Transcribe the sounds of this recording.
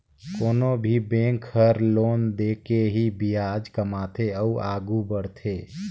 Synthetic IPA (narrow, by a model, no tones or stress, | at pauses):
koːnobʱibẽŋkʰːəɾloːnd̪ekeɦibijad͡ʒkəmaːt̪ʰeəuʔaːɡubəɽt̪ʰe